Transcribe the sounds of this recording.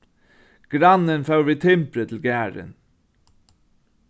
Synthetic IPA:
ɡ̥ɾɑnənfɑʉʋiːt̪ʰɪmpɾət̪ʰl̩ɡæːɾə̰n

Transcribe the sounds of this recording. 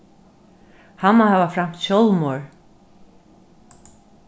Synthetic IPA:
hamːahavafɾam̥t̪ɕɔlˠmɔɹ

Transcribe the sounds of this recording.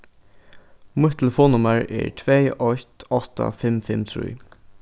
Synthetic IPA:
mut̪ʰɛlɛfoːnʊmaɹɛ̰ɹt̪ʰveːɔjt̪ɔht̪a̰fɪmfɪmt̪ʰɾṵj

